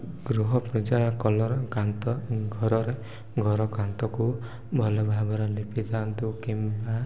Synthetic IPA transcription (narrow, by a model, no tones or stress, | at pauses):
ɡɾuɦɔpɾɔd͡ʒaɔkɔlɔɾɔkant̪ɔɡʱɔɾɔɾe | ɡʱɔɾɔkant̪ɔku | bʱɔlɔbʱabɔɾɔlipid̪ant̪ukimba